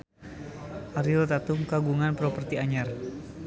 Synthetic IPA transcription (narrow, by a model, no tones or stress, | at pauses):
ʔaɾilɔt̪at̪uŋkaɡuŋanpɾɔpərt̪iaɲar